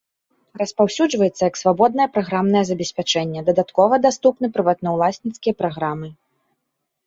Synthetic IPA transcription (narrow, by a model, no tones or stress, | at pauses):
rɐspawsʲud͡ʐvɐjɛt̪sːɐjɐksvabɔd̪̚nɐjɛpɾaɣɾamnɐjɛzɐbʲɛsʲpʲat͡ʂɛnʲːɛd̪ɐd̪at̪kɔvɐd̪ast̪upnɨpɾɨvat̪̚nɐwlˠasʲnʲit̪skʲijɐpɾaɣɾamɨ